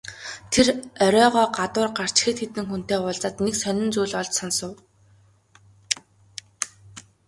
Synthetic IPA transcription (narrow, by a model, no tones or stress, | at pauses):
t̪ʰerœɾʲœːʁɔːɢat̪ʊːrɢar̥t͡ɕxeːt̪xet̪ɘ̆ŋxun̥t̪eːʊɮt͡saːt̪neksœnʲɪ̆nt͡suːɮɔɮt͡ɕsɔnsʊ̆w